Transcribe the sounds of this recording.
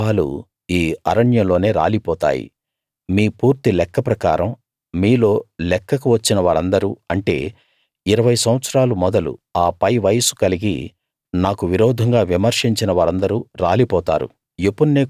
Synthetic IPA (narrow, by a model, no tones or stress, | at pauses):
aːlṵ | iːɐ̰ɾɐɳjɐmlo̞ːne̞ːɾa̰ːlipɔːt̪a̰ːjḭ | miːpuːɾt̪ilɛkːɐpɾɐka̰ːɾɐm | miːlo̞ːlɛkːɐkuʋɐt͡ʃːinɐʋaːɾɐnd̪ɐɾuɐɳʈe̞̰ː | iɾɐʋɐjsɐm̃ʋɐt̪sɾaːlumɔd̪ɐlṵaːpɐjʋɐjɐsu̥kɐliɡḭ | naːkuʋiɾɔːd̪ʱɐŋɡaːʋimɐɾʂiɲt͡ʃinɐʋaːɾɐnd̪ɐɾuɾa̰ːlipɔːt̪a̰ːɾṵ | jepunːeː